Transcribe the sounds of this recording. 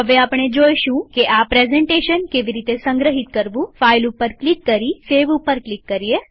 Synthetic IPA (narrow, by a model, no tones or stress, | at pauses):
ɦəʋeaːpɳ̃ed͡ʒoːjʃũkeʔapɾezɛ̃ɳʈeːʃənkeːʋiɾiːt̪esə̃ŋɡɾəɦɪt̪kəɾʋũfaːilupəɾklɪkːəɾifeːʋupəɾklɪkːəɾie